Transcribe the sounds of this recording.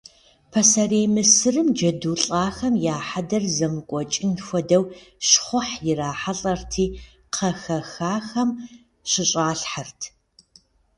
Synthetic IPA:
pʰɐsɐreːmɨsɨrɨmd͡ʒɐduːɬʼaːxɐmjaːħadɐrzɐmɨkʷʼɔt͡ʃʼɪnxʷɔdɐwɕχʷʊħjɪraːħaɬʼɐrtʰiː | qʰɐxɐxaːxɐm | ɕɪɕʼaːɬħartʰ

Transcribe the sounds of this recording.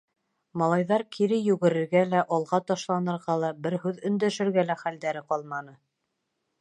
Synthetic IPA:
mɑlˠɑjðɑɾkʰiɾɘjʉɡɘ̆ɾɘ̆ɾɡælæʔɑlˠʁɑt̪ɑʃlˠɑnɤ̆ɾʁɑlˠɑbɘɾɦʉðɵ̆nd̪æʃɘ̆ɾɡælæχæld̪æɾɘqɒlˠmɑnɤ

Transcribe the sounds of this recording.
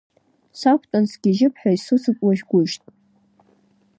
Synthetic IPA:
sakʷʰtʼansɡʲiʒɪpʰħᶣaisusɨkʷʼwaʒɡʷʊʒtʼ

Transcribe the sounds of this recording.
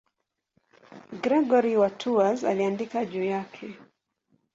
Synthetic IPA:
ɡɾɛɡɔɾiwatʰuaza̰liandikaʄuːjakʰɛ

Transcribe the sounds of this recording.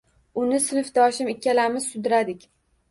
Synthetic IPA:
ʊnɪsɪnɪfd̪ɒʃɪmɪkʲʰːalamɪz̥sʊd̪ɪɾad̪ɪkʲ

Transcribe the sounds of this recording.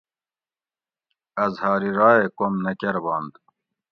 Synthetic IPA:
ɐzhɑːɾiɾɑːekomnɐkeɾbɑːnd̪

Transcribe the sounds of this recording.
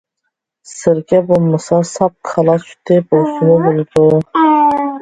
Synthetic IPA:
sɨɾɡʲɛbolˠmɑsɑsɑp̚qʰɑlˠɑt͡ʃʊ̥t̪ʰɪbosʊmʊbolˠd̪ʊ

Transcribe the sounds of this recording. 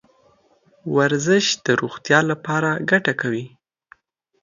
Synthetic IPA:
waɾzɪʃd̪̥əɾoɣt̪jɑlapɑɾaɡaʈakawi

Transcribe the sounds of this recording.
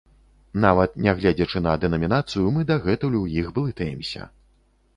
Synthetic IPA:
navɐt̪̚nʲaɣlʲad͡zʲɐt͡ʂɨnɐd̪ɛnɐmʲinat̪sɨjumɨd̪ɐɣɛt̪ulʲuwjiɣbɨlˠɨt̪ɛjɛmsʲɐ̰

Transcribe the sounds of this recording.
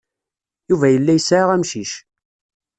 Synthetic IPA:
juvæjəlːæjsʁæmʃiʃ

